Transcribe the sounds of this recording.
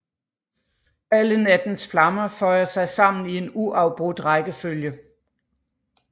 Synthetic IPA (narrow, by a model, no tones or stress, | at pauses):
ælənæd̥n̩sflɑ̈mɐfɒ̽ɪ̰ɐsɑ̈ɪsɑ̈m̰n̩ie̝nuʔɑ̈ʊb̥ʁud̥ʁɑɪɡ̥əføljə